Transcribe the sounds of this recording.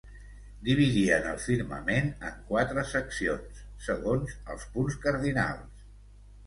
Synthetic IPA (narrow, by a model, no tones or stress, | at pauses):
d̪iβ̞iðiənə̰lˠfiɾmə̰menə̰ŋkwat̪ɾəsəksionsːəɣonzə̰lˠspunskəɾðina̰lˠs